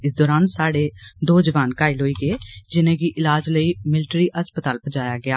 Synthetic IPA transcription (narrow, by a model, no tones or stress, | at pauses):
ɪsd̪ɔːɾaːnsaːɽeːd̪oːd͡ʒəʋaːnkaːilɦoːiːɡeːd͡ʒɪnẽːɡiːʔɪlaːd͡ʒləiːmɪlʈɾiːəspət̪aːlpəd͡ʒaːjaːɡɪaː